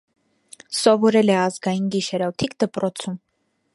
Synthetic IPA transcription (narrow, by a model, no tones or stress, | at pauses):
sɔvɔɾɛlɛɑzɡɑjinɡiʃɛɾɔt̪ʰikd̪əpɾɔt͡sʰum